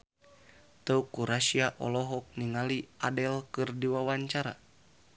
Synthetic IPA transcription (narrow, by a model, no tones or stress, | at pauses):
t̪əukːuɾaʃiaʔɔ̰lɔɦɔk̚niŋaliadɛlkɨrdiwawaɲt͡ʃaɾa̰